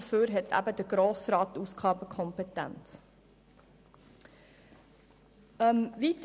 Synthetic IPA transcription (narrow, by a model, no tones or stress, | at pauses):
føːɾɦɛtʰæ̰bəd̥əɡ̥ɾoːsɾɑːt̪uːsɡ̥ɑːbəkʰɔmpetæ̰nt͡s | əmvit